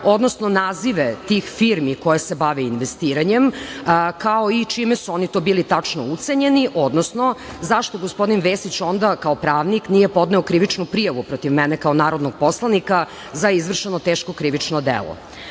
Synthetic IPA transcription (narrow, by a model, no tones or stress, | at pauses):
o̞d̪nosno̞naːziʋet̪ixfiɾmikojesebaʋɛinʋest̪iːɾaɲemkaoit͡ʃimesuonit̪obiːlit̪at͡ʂno̰ut̪se̞ɲe̞niʔo̞d̪nosno̞ | zaʃt̪o̞ɡospo̞d̪inʋesit͡ɕond̪akaopɾaːʋniknijepod̪nɛokɾiʋit͡ʃnupɾijaʋupɾot̪iʋmɛnekaonaːɾod̪noɡ̚po̞slˠanika | zaizʋr̩ʃenot̪eːʃkokɾiʋit͡ʃnod̪ḛlˠo̰